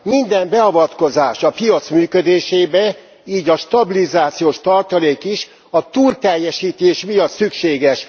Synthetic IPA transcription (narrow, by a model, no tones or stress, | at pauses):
mind̪ɛmbɛɒvɒt̪ko̞zaːʃɒpijɒt̪smyːkød̪eːʃeːbɛ | iːɟɒʃt̪ɒbilizaːt̪sijoːʃt̪ɒrt̪ɒleːkiʃ | ɒt̪uːlt̪ɛjːɛʃiːt̪eːʃmijɒt̪sykʃeːɡɛʃ